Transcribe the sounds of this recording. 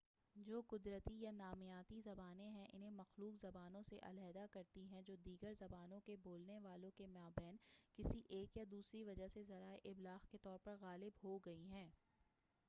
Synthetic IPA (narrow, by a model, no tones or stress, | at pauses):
d͡ʒoːqʊd̪ɾət̪ijanaːmjaːt̪izɐbaːnẽɦɛ̃ʔɪ̰nɦẽmɐxluːqzɐbaːnõseʔɐ̰lɛːd̪akɐɾt̪iɦɛ̃d͡ʒoːd̪iːɡəɾzɐbaːnõkeboːlneʋaːlõkemaːbɛːnkɪsiʔeːkjad̪uːsɾiʋɐd͡ʒaɦsezɐɾaːeʔɪblaːɣket̪ɔːɾpɐɾɣaːlɪbɦoɡɐiɦɛ̃ː